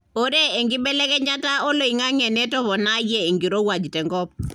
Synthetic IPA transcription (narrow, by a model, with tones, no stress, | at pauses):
o˦ɾe˦e˨ŋɡɪ˦ɓɛ˦lɛ˦kɛ˦ɲa˦ta˦o˦lo˨i˨ŋa˦ŋɛ˨nɛ˦tɔ˦βɔ˨na˦jɛ˨i˨ŋɡi˨ɾo˦wa˨d͡ʒi˨tɛ˨ŋɡɔ˦p̚